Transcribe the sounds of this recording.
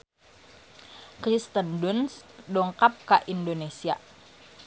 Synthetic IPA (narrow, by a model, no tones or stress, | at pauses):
kɾist̪əndunsdɔŋkap̚kaʔindonesia̰